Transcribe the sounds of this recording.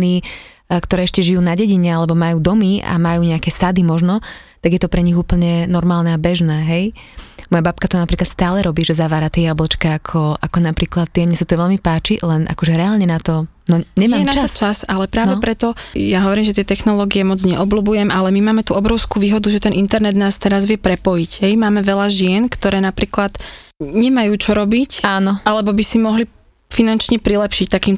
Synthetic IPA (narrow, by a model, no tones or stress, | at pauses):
niː | kt̪ɔɾɛːɛʃcɛʒijuːnaɟɛɟiɲɛalɛbɔmajuːd̪ɔmia̰majuːɲɛakɛsad̪imɔʒnɔ | t̪aɡjɛt̪ɔpɾɛɲiɣuːpl̩ɲɛnɔɾmaːlnɛabɛʒnɛːɦɛjmɔjabap̚kat̪ɔnapɾiːklat̪st̪aːlɛɾɔbiːʒɛzaʋaːɾat̪ɪɛjablɔt͡ʃkɛakʰɔʔakɔnapɾiːklat̪̚ːɪɛmɲasat̪ɔʋɛʎmipaːt͡ʃilɛnʔa̰kɔʒɛɾɛaːlɲɛnat̪ɔ | nɔɲɛɲmanaat̪ɔt͡ʃasalɛpɾaːnʋɛpɾɛt̪ɔjaɦɔʋɔɾiːmʒɛt̪ɪɛt̪ɛxnɔlɔːɡiɛmɔd͡zɲɛʔɔbluːbujɛmʔalɛmimaːmɛt̪uɔbɾɔʊskuːʋiːɦɔd̪uʒɛt̪ɛnʔint̪ɛɾnɛd̪naːst̪ɛɾazʋɪjɛpɾɛpɔjiɟɦɛjmaːmɛʋɛʎaʒɪɛnkt̪ɔɾɛːnapɾiːklat̪ɲɛmajuːt͡ʃɔɾɔbicaːnɔalɛbɔbisimɔɦli | finant͡ʃɲɛpɾilɛpʃict̪akiːm